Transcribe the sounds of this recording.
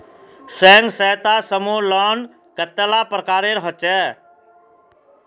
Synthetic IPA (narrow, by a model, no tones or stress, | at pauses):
sɛːŋɡsəːt̪aːsəmuːlɔːn | kət̪ːəlaːpɾəkaːɾeɾɦɔt͡ʃɛː